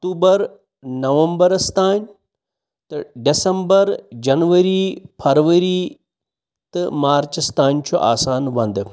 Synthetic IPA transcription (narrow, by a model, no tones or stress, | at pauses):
ɐkt̪uːbəɾ | nɐʋɐmbəɾst̪aːn | t̪ɐɖɪsəmbəɾd͡ʑɐnʋəɾipʰɐɾʋəɾi | t̪ɐmaːɾt͡ɕəst̪aːnt͡ɕʰoʔa̰ːsaːnʋɐ̃nd̪